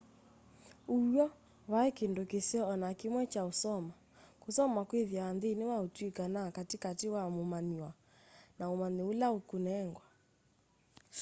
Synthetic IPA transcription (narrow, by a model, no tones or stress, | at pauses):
uɔ | βaɛkendokeseɔɔnakemwɛt͡ʃaosɔma | kosɔmakweðjaanðenewaotwikanakatekatewamomaniwa | naomaneulaokunɛŋɡwa